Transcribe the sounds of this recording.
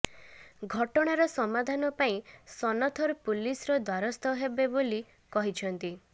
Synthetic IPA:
ɡʱɔʈɔɽ̃aɾɔsɔmad̪ʱanɔpaĩsɔnɔt̪ʰɔɾpulisɾɔd̪waɾɔst̪ɔɦebeboli | kɔɦit͡ʃʰɔnt̪i

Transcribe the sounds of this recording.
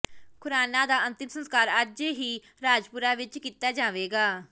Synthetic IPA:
kʊɾaːnaːd̪aːənt̪ɪmsə̃nskaːɾəd͡ʒɦiː | ɾaːd͡ʒpʊɾaːʋɪt͡ʃkiːt̪aːd͡ʒaːʋeːɡaː

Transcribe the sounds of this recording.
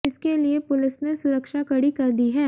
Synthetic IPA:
ɪskeliepʊlɪsnesʊɾəkʃakɐɽikɐɾd̪iɦɛː

